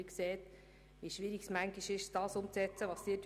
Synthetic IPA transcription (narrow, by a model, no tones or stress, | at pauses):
ikseːt̪ | ʋiʃʋiɾiɡ̥smæŋɡiʃɪʃd̥ɑːsʊmt͡sɛt͡səʋɑsd̥it